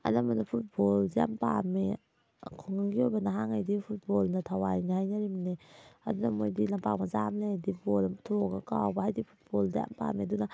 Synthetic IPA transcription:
a̰lamanapʰut̚bolzia̰mpa̰me | kʰuŋaŋɡiobanaɦaŋajdipʰut̚bolnatʰawajnahajnaɾimneɐdunamojdilampak̚mazamledibolamtʰoɡakawbaɦajdipʰu̥t̚bolzia̰mpa̰meduna

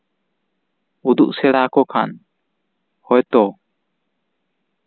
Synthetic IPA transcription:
ud̪ṵʔsɛɽakɔkʰa̰n | hɔjt̪ɔ

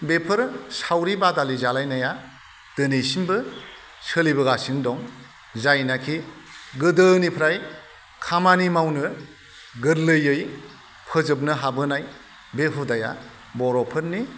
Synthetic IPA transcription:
bepʰɯɾsawɾibadalizalajnaja | d̥ɯnejsimbɯ | sɯlibɯɡasindɔŋ | zajnakʰi | ɡɯdɯnipʰɾaj | kʰamanimawnɯ | ɡɯɾlɯjɯj | pʰɯzɯp̬̚nɯɦabɯnaj | beɦʰudaja̰ | bɔɾɔpʰɯɾni

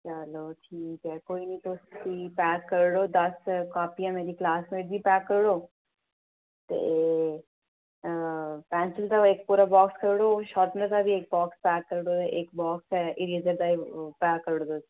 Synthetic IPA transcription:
jaːɦɐloːʈʰiːkɛkoːinɐĩt̪oːsk̪ipɛːkːəɾɽoːd̪ɐskaːpijãmeːɾiklaːsmeːʈbʱipɛːkːəɾɽoː | t̪ḛ | pɛ̃ːnt͡ʃəlt̪aeːk̚puːɾabɔːkskəɾɽoʃɔːt̪nəɾt̪abʱieːk̚bɔːkspɛːkːəɾɽoʔeːkbɔːksɛʔɪɾizəɾd̪aːipɛːkːəɾɽoːd̪oːs

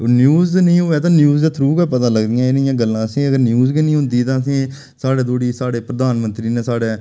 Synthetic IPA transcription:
njuːznəĩːɦoːɛːt̪ãːnjuːzd̪aːt̪ʰɾuːɡaːpət̪ãːləɡd̪iːãːɪnɪjãːɡəlːãːəsĩːəɡəɾnjuːzɡiːnĩːɦʊ̃nd̪iːt̪ãːəs̬ĩː | saːɽeːd̪oːɽiːsaːɽeːpɾəd̪aːnmə̃nt̪ɾiːneːsaːɽeː

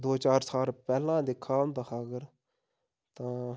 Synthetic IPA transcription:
d̪oːt͡ʃaːɾsaːlpɛːlãːd̪ɪkʰːaːmd̪aːxaːɡəɾ | t̪ãː

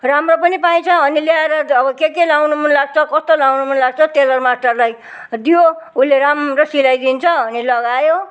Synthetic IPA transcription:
ramropʌnipaj̃t͡sʰʌɦʌniljaeɾʌʌbʌkekelawnumʌnlaɡ̚t͡sʰʌkʌst̪olawnumʌnlaɡ̚t͡sʰʌt̪elʌrmaʈʌrlaj | d̪joulːeɾamrʌsilajd̪int͡sʰʌʌnilʌɡajo

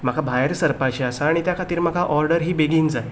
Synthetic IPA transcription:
məɡʰʱabʱajəɾsəɾpat͡ɕiasaːɽ̃it̪jakʰat̪iːɾməɡʱaʔɔɾɖəɾɦiːbeɡiːnd͡zae

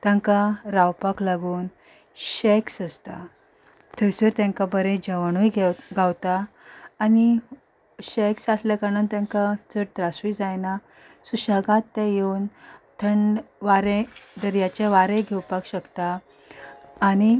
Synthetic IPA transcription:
t̪jãŋkaɾawpaklaɡuːn | ɕɛksəst̪a̰ | t̪ʰət͡səɾt̪jãŋkabəɾẽd͡ʑəʋɳujɡɡawt̪aː | ni | ɕɛksaslɛkanənt̪jãŋkad͡zəɾt̪ɾasujd͡zajna | suɕaɡãt̪ːɛ̃jewnt̪ʰəɳʋaɾẽd̪əɾjat͡ɕeʋaɾẽɡʱɛwpakɕəkt̪a | ni

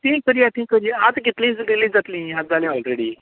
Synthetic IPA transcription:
t̪ĩːkəɾiat̪ĩːkəɾiat̪ɡit̪lĩːd͡zdilĩd͡zat̪lĩːɦad͡zalɛ̃ɔlɾeɽiː

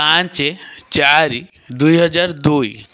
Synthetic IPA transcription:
ãnt͡ʃet͡ʃaɾi | d̪ujɦəd͡ʒaɾd̪uj

